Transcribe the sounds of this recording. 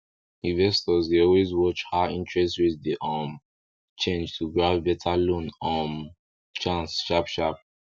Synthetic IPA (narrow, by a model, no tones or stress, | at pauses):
ĩnvɛstɔzdeɔlwezwɔt͡ʃhaĩntɹɛstwiðdiʔɔm | t͡ʃẽnd͡ʒtʰuɡɹavbɛtʰalõnɔ̃m | t͡ʃãnsʃapʃap̚